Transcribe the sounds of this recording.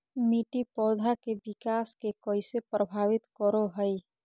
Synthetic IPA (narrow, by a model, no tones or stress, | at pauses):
miːʈipɔːd̪ʱakebɪkaːskekɔisepɾəbʱaːʋɪt̪kəɾoɦəi